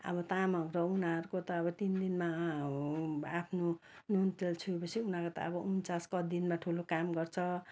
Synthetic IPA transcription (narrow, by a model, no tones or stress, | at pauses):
ʌ̰bʌt̪ãmʌmɾʌunaʌɾukot̪ʌːbʌt̪ind̪inma | apʰno | nunt̪elt͡sʰuepʌsʰiunakot̪a̰ʌbʌunt͡saskʌd̪inmaʈʰulokamɡʌrt͡sʰʌ